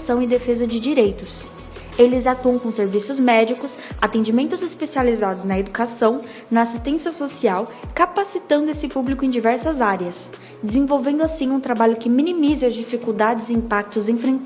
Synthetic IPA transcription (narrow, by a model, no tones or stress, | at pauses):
sɐ̃w̃ɪd̪efezɐd͡ʒɪd͡ʒiɾejt̪ʊs | elɪzat̪uɐ̃w̃kõseɾvisʊzmɛd͡ʒikʊsat̪ẽd͡ʒimẽnt̪ʊzespesializad̪ʊznɐed̪ukasɐ̃w̃ | nɐasist̪ẽsiɐsosiawkapasit̪ɐ̃nd̪ʊesɪpublikʊẽj̃d͡ʒivɛɾsɐzaɾɪɐs | d͡ʒɪzẽvowvẽnd̪ʊasĩũt̪ɾabaʎʊkɪminimizɪɐzd͡ʒifikuwd̪ad͡ʒɪzɪĩpak̚t̪ʊzẽfɾẽ